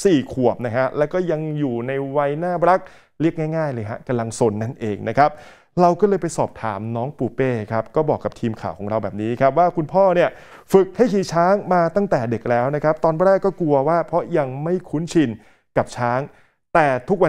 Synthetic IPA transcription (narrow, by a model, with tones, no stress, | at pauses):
siː˨˩kʰu˨˩əp̚na˦˥kʰa˦˥lɛː˦˥wkɔː˥˩ja˧ŋjuː˨˩na˧jwa˧jnaː˥˩ɾa˦˥k̚ | li˥˩ək̚ŋaː˥˩jŋaː˥˩jlɤː˧jɦa̰˦˥ka˧mla˧ŋso˧nːa˥˩nʔeː˧ŋna˦˥kʰa˦˥p̚ | ɾa˧wkɔː˥˩lɤː˧jpa˧jsɔː˨˩p̚t̪ʰa̰ː˩˦mnɔː˦˥ŋpuː˨˩peː˧˩kʰa˦˥p̚kɔː˥˩bɔː˨˩kːa˨˩p̚t̪ʰiː˧mkʰaː˨˩wkʰɔː˩˦ŋɾa˧wbɛː˨˩p̚niː˦˥kʰa˦˥p̚waː˥˩kʰu˧npʰɔː˥˩ni˥˩ɐ | fɯ˨˩k̚ha˥˩jkiː˨˩t͡ɕʰaː˦˥ŋmaː˧t̪a˥˩ŋt̪ɛː˨˩de˨˩k̚lɛː˦˥wna˦˥kʰa˦˥p̚t̪ɔː˧npɾɛː˥˩kːɔː˥˩ku˧ɐwaː˥˩pʰɔ˦˥ja˧ŋma˥˩jkʰuː˦˥nt͡ɕʰi˧n | ka˨˩p̚t͡ɕʰaː˦˥ŋ | t̪ɛː˨˩t̪ʰu˦˥k̚wa˧